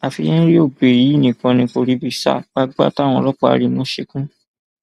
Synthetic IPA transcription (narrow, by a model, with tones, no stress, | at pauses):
a˨fi˧jɛ̃˦ɾi˦o˦˨be˨ɾi˨˦i˦˨nĩ˨kã˧nĩ˧ko˧ɾi˧˦bi˨sa̰˦˨ɡ͡ba˦ɡ͡ba̰˦ta˦˨w̃ɔ̃˧lɔ˦k͡pɔ˦a̰˧ɾi˧mõ˨˦ʃe˧kũ˦